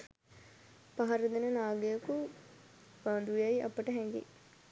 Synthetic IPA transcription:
pɐɦɐɾɐd̪inɐnaːɡɐjɐku | baːnd̪ujɐjiʔɐ̰pːɐʈɐɦɛ̃ŋɡḭ

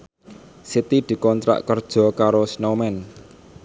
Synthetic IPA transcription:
sit̪id̪̥i̤kɔnt̪ɾa̰ʔkərd̥ʒ̥ɔ̤kaɾosnomɛn

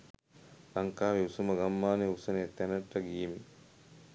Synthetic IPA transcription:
laŋkaːʋiusumɐɡɐmːaːneusɐnejɐt̪ɛnɐʈːɐɡiemi

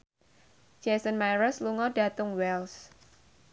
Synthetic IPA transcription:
d͡ʒ̥ɛsənmajɾəsluŋɔɖa̤t̪ʊŋwɛls

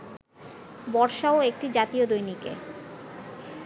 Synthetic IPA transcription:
bɔɾʃaoek̚ʈid͡ʑat̪iod̪ojnikḛ

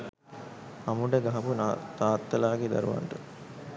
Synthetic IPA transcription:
ɐmuɖəɡɐɦɐpunt̪aːt̪ːɐlaːɡed̪ɐ̰ɾṵʋɐ̰ɳʈu

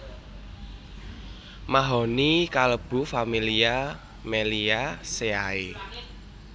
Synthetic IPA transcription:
maɦɔnikaləb̥ṳfamilia | meliaseae

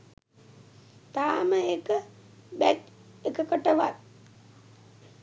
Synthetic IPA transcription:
t̪aːməekə | bæt̪ | ekəkəʈəʋat̪̚

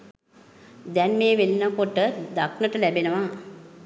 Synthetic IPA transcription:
d̪ɛnmeːʋelinəkoʈəd̪ak̚nəʈəlæbenəʋa

